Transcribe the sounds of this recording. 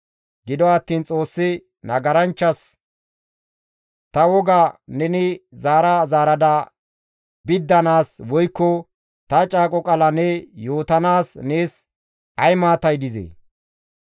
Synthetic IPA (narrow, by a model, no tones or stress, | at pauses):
ɡɪd̪ɔɐt̪ːiːnt͡sʼo̞ːsːɪ | nɐɡɐɾɐnt͡ʃːɐs | t̪ɐwɔɡanɛnɪzaːɾɐzaːɾɐd̪ɐ | bɪd̪ːɐnaːswɔjkːɔ | t̪ɐt͡ʃʼaːkʼɔkʼɐlɐnɛjo̞ːt̪ɐnaːsneːs | ʔɐjmaːt̪ɐjd̪ɪzḛ